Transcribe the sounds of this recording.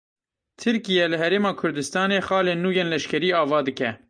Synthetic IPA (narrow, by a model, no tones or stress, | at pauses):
t̪ʰɨɾkijɛlɨɦɛɾeːmɑːkʰʊɾd̪ɨst̪ɑːneːxɑːleːnːuːjeːnlɛʃkʰɛɾiːɑːvɑːd̪ɨkɛ